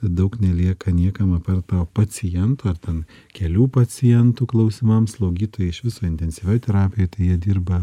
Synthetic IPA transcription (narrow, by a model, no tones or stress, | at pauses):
d̪ɐʊknʲɛlʲiɛkɐnʲiɛkɐmɐpɐrt̪ɐʊpɐt͡s̪ʲɪjɛnt̪uːɐrt̪ʲɛn | kʲɛlʲuːpɐt͡s̪ʲɪjɛnt̪uːklˠɐʊsʲɪmɐmslˠɐʊɡʲiːt̪oːjɛɪʃʋʲɪsoːɪnʲt̪ʲɛnʲsʲiʋʲoːjt̪ʲɛɾɑːpʲɪjoːt̪ɐɪjiɛd̪ʲiːɾbɐ